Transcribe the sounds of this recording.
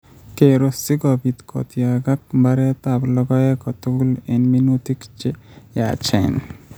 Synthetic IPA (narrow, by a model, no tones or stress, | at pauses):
keɾosiɡɔbit̪kʰɔ̰t̪iaɡak̚baɾet̪ablɔɡɔjekɔt̪oɡulenminut̪ikt͡ʃeja̰t͡ʃʰḛn